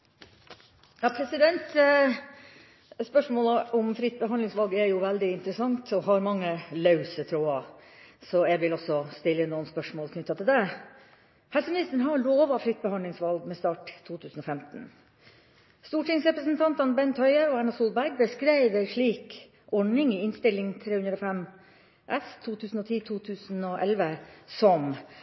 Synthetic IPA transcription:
jɑːpʰɾɛsɪd̪ɛnt̪ | spœʂmoːləɔmfɾɪt̪̚ːbəɦɑnd̪lɪŋsʋɑlɡɛɾjʊʋɛld̪ɪɪnt̪ɾəsɑŋt̪ɔɦɑɾmɑŋːəlɑʉsət̪ʰɾuːɑsɔjɛɡʋɪlɔsɔst̪ɪlːənuːənspœʂmoːlkʰnʉt̪ːɑt̪ʰɪld̪ɛ | hɛlsəmɪnɪst̪əɳ̩ɦɑɾɭoːʋɑflʏt̪̚ːbəhɑndlɪŋsʋɑlɡmɛst̪ɑːʈ̪ʰːuːt̪ʰʉːsn̩ɔfɛmt̪n̩ | st̪uːʈɪŋsɾɛpɾəsnt̪ʰɑnt̪ɑnbɛnt̪ʰhœʏəɔæɳɑsuːlbæɾɡ̚bəskɾæɪʋəɾʂɭiːk | ʔɔɳɪŋɪɪnst̪ɪlːɪŋt̪ʰɾeːhʉnd̪ɾɔfɛm | ʔɛst̪ʰːuːt̪ʰʉːsn̩ɔt̪ʰiːt̪ʰuːt̪ʰʉːsn̩ɔʔɛlʋəsɔm

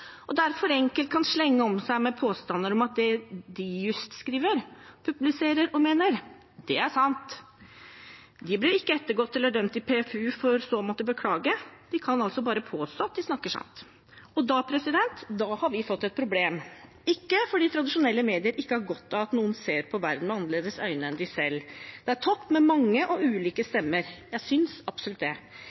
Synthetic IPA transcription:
ʔɔd̪æɾfɔɾɛŋkəlt̪̚kʰɑnʂɭɛŋːəɔmsæɪmɛpʰoːst̪ɑnːəɾɔmɑt̪̚d̪ɛd̪ɪjʉst̪skɾiːʋəɾpʰʉblɪseːɾəɾɔmeːnəɾ | d̪̥ɛæʂɑnt̪ | d̪ɪblɪɾɪkːəɛt̪ːəɾɡɔt̪ʰːɛlːəɖœmt̪ɪpʰefʉːfɔɾsɔmɔt̪ːəbəkʰlɑːɡəd̪ɪkʰɑnɑlsɔbɑːɾəpʰoːst̪oːɑt̪̚d̪ɪsnɑkːəʂɑ̰nt̪ | ɔd̪ɑːpʰɾɛsɪd̪ɛnt̪d̪ɑːhɑɾʋɪfɔt̪ːɛt̪̚pʰɾʊbleːm | ɪkːəfɔɖiːt̪ʰɾɑd̪ɪʂʊnɛlːəmeːd̪ɪəɾɪkːəhæɾɡɔt̪ːɑɑt̪nuːənseːɾpʰɔʋæɾd̪n̩mɛɑnːəɾleːd̪əsœ̰ʏnəɛnd̪ɪsɛlːd̪̥ɛæɾʈʰɔpːmɛmɑŋːəʔɔʉːliːkəst̪ɛmːəɾjæɪsʏnsɑbsʊlʉt̪̚d̪ɛ

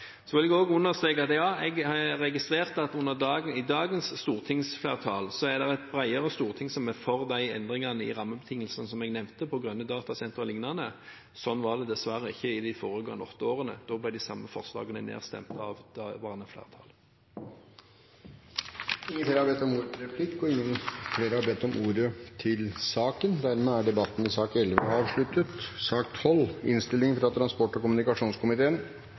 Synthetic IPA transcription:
sɔʋɪlɛɡoːɡʉnːəʁst̪ʁeːkɑt̪jɑːɛɡɑʁɛɡɪst̪ʁeːʁt̪əɑt̪ʉnːəʁd̪ɑːɡəɪd̪ɑːɡənsːt̪uːʁt̪ʰɪŋsflæːʁt̪ʰɑːlsɔæd̪ɛʁɛt̪̚bɾæɪəʁəst̪uːʁt̪ʰɪŋsɔmɛfɔʁd̪æɪɛ̰nd̪ʁɪŋɑnəɪ̰ʁɑmːəbɛt̪ʰɪŋːəlsənsɔmɛɡnɛʋnt̪əpʰɔɡʁœnːəd̪ɑːt̪ɑsɛnt̪ʁəlɪŋnɑnə | sɔnːʋɑːʁd̪ɛd̪ɛsʋæɾəɪçːəɪd̪ɪfoːʁəɡɑ̰ŋɔt̪ːəoːʁənə̰d̪̥oːblæɪd̪ɪsɑmːəfɔ̰ʁslɑ̰ːɡənənḛːʁst̪ɛ̰mt̪ʰɑ̰ʋd̪ɑʋɑːhɑnɛflḛːʁt̪ʰɑ̰l | ɪːəfleːɾəhɑɾbɛt̪ːɔmuːɾəɾɛpʰlɪkːɔɪŋːənfleːɾəhɑɾbɛt̪ːɔmʔuːɾət̪ʰɪlsɑːkənd̪æɾmeːæɖɛbɑt̪ːn̩ɪsɑːkɛlʋə̰ɑːʋʂɭʉt̪ːət̪sɑːkt̪hɔlɪnst̪ɪlɪŋfɾɑt̪ʰɾɑnspɔʈːɔkʊmʉnɪkɑʂuːnskʰʊmɪt̪ʰeːən

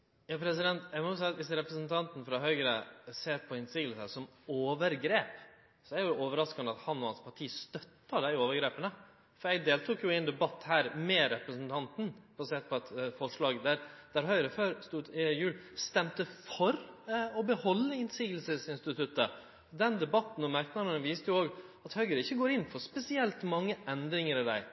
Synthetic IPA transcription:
jɑpʰɾɛs̬ɪd̪ɛnt̪ɛmɔʊsɛɪt̪ʋɪsɾɛpɾəsnt̪ʰɑnt̪n̩fɾɑɦœʏɡɾəseːɾpʰɔɪnsiːɡlsəsɔmoːʋəɾɡɾeːp | sɔæɾjʊd̪ɛoːʋəɾɑskɑnd̪əɑt̪hɑnɔɑnspʰɑʈʰiːst̪œt̪ːəd̪æɪoːʋəɾɡɾeːpənə | fɔɾɛɡd̪eːlt̪ʰukjʊɪɛnd̪ɛbɑt̪ːhæːɾmɛɾɛpɾəsnt̪ʰɑnt̪n̩b̥ɑseːt̪̚pʰɔɑt̪fɔʂɭɑːɡd̪æɾd̪̥æɾɦœʏɾəføːɾst̪uːd̪jʉːlst̪ɛmt̪əfɔɾɔbəhɔlːəɪnsiːɡəlsəsɪnst̪ɪt̪ʰʉt̪ːə | ɔd̪ɛnd̪ɛbɑt̪ːn̩ɔmæɾknɑənəʋiːst̪əjʊoːɡɑt̪hœʏɡəɾɪçːəɡoːɾɪnːfɔspɛsɪɛlt̪mɑŋːəʔɛnd̪ɾɪŋəɾɔd̪æ̰ɪ

